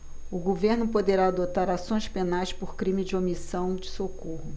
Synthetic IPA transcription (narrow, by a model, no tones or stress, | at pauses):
ʊɡoveɾnʊpod̪eɾaːd̪ot̪aɾasõj̃spenajspoɾkɾĩmɪd͡ʒɪomisɐ̃w̃d͡ʒɪsokohʊ